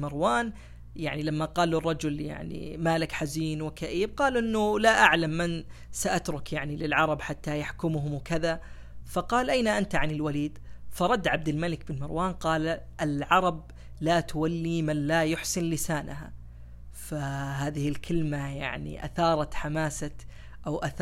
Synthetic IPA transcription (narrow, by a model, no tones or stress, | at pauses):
mɪɾwaːn | jaʕnilamːaqɑːlːurˤːɑd͡ʒʊlja̰ʕnḭmaːlɪkħaziːnwɪkaʔiːb̚qɑːluʔɪnːʊlaʔaʕlamːansaʔat̪ɾˤʊkjaʕnilɪlʕɑɾˤɑbħat̪ːajaħkʊmɦʊmwkaða | fɑqɑːlʔajnaʔant̪aʕanɪlwaliːd̪fɑɾˤɑd̪ːʕab̚d̪ɪlmalɪk̚bɪnmɪɾwaːnqɑːl | ʔalʕɑɾˤɑb̚ | laːt̪ʊwalːimanlajʊħsɪnlɪsaːnaɦa̰ | faɦaːðɪhɪlkʰɪlmaja̰ʕnḭʔa̰θɑːɾˤɑt̪ħamaːsa | ʔawʔaθ